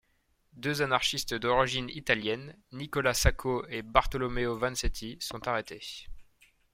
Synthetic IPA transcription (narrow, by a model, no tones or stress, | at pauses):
d̪øzanaʁʃist̪d̪ɔʁiʒinit̪aljɛnːikɔlasakʰoebaʁt̪ɔlɔmeovɛ̃nsɛt̪ʰisɔ̃t̪aʁet̪e